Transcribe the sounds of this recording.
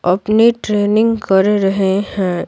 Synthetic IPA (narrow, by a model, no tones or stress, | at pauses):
ɐpneʈɾeːnɪ̃ŋɡkɐɾɾɐɦehɛ̃ː